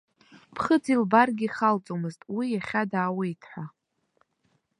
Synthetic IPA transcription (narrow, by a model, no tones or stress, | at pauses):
pʰχəd͡zilbarɡʲiχalt͡sʼomɨztʼwijaχʲadaːwajtʰħʷa